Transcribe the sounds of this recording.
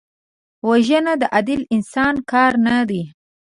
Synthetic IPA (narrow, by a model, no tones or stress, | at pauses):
waʒənad̪əʔad̪ɪlɪnsɑnkɑɾnad̪i